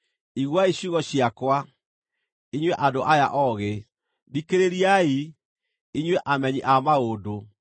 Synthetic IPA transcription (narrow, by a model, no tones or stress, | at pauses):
iɣwaiɕuɣɔɕiakwa | iɲwɛʔadoʔajaʔɔɣe | dikeɾeɾiai | iɲwɛʔamɛɲiʔamaodo